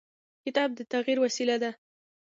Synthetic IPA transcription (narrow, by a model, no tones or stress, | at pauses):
kɪt̪ɑb̚d̪ət̪aɣiɾwasilad̪a